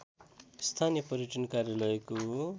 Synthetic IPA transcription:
st̪ʰanijʌpʌɾjʌʈʰʌnkarjalʌjko

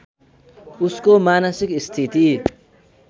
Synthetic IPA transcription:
uskomanʌsikist̪ʰit̪i

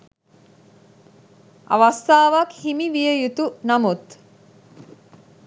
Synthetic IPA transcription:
ʔa̰ʋast̪aːʋakhimiʋijəjut̪unamut̪

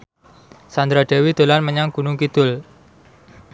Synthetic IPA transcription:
sand̪ɾaɖ̥ɛ̤wid̪̥o̤lanməɲaŋɡ̥unʊŋkit̪ʊl

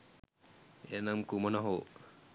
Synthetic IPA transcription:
enamkumɔnaɦo

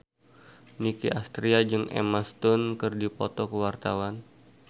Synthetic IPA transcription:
nikiʔast̪ɾiad͡ʒɨŋḛmast̪ʊnkɨrdipɔt̪ɔkəwart̪a̰wan

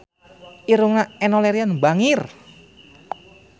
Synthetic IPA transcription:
ʔiɾuŋaɛnoleɾianbaŋir

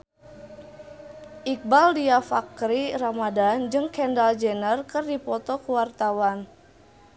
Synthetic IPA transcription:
ʔik̚baldiafakɾiramadand͡ʒɨŋkɛndald͡ʒenərkərdipɔt̪ɔkuwart̪awan

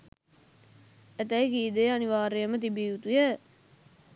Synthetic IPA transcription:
æt̪əikiːd̪ejaniʋaːɾejəmət̪̬ibiːut̪ujə

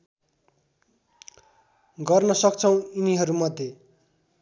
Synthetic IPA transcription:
ɡʌrnʌsʌk̚t͡sʰʌw̃iniɦʌɾumʌd̪ʱje

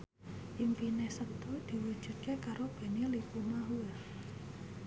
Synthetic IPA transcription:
ʔimpinesət̪ud̪̥i̤wud̥ʒ̥ṳt̪̚kekaɾob̥e̤nilipumaɦua

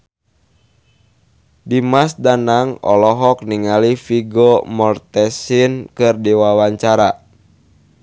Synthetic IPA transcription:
dimasdanaŋɔ̰lɔɦɔk̚niŋalifiɡɔmɔrt̪ɛsinkɨrdiwawaɲt͡ʃaɾa

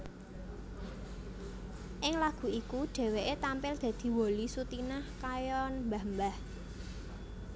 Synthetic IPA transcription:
ʔɪŋlaɡ̥ṳikuɖ̥e̤weʔet̪ampɪld̪̥ä̤d̪̥i̤wolisut̪inahkajɔnmbambah

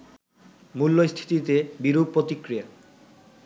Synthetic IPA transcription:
mulːost̪ʰi̥t̪it̪ebiɾub̚pːɾot̪ikɾija

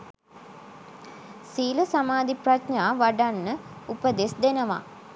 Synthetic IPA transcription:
siːləsamaːd̪ipratɲaːʋaɖanːəupəd̪esd̪enəʋa̰

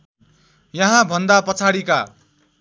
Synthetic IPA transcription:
jʌɦãbʱʌnd̪apʌt͡sʰaɽika

